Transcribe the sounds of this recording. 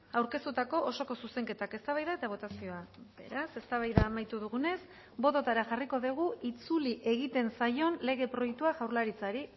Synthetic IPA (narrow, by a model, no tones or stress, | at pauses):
awɾke̞st̪ut̪ako̞ʔoso̞ko̞suse̞ŋke̞t̪ake̞st̪aβajðae̞t̪aβ̞o̞t̪asio̞abe̞̰ɾase̞st̪aβajðaːmajt̪uðuɣ̞une̞s | bo̞t̪ot̪aɾaʝariko̞ðeɣ̞uit͡suliʔe̞ɣ̞it̪e̞nsajo̞nle̞ɣ̞e̞pɾo̞jek̚t̪uaʝawɾlaɾit͡saɾi